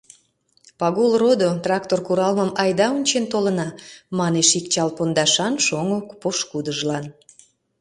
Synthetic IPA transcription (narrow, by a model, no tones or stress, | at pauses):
pɑɣulˠrod̪ot̪rɑkt̪orkuɾɑlməmɑjd̪ɑunʲt͡ɕent̪olə̆nɑmɑneʃik̚t͡ɕɑlpond̪ɑʃɑnʃoŋokpoʃkud̪əʒlɑn